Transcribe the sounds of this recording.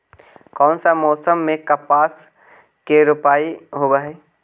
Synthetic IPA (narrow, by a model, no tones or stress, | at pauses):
kɔːnsamɔːsəmːẽkɐpaːs | keɾʊpaːiɦobaɦɛː